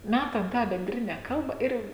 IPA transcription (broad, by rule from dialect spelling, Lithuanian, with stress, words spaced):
ˈmʲætɐm tɑː bʲɛnʲˈdʲrʲɪnʲɛ ˈkɐlˠbɐ ˈɪr